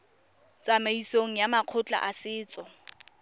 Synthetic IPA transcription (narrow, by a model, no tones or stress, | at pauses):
t͡sʼamaisoŋ̩jamaq͡χʰʊt͡ɬʼa̰ʔasɪːt͡sʼɔ